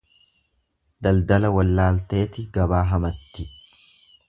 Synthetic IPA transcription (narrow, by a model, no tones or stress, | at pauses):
d̪ɐld̪ɐlɐwɐlːaːlt̪e̞ːt̪ɪɡɐbaːɦɐmɐt̪ːɪ